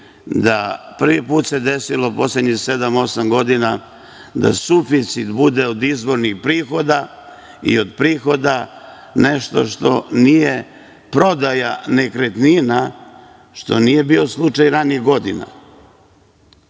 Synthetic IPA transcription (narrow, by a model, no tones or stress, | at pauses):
d̪apr̩ʋipuːt̪se̞d̪e̞silo̞po̞sled̪ɲixsed̪amo̞samɡo̞d̪ina | d̪a̰sufit̪sit̪bud̪e̞od̪izbo̞ɾnixpɾiːxo̞d̪a | ḭo̞d̪pɾiːxo̞d̪a | ne̞ʃt̪o̞̰ʃt̪o̞̰nije̞ | pɾo̞d̪ajanekɾet̪nina | ʃt̪o̞nije̞biːo̞slˠut͡ʂajɾaniɣɡo̞d̪ina̰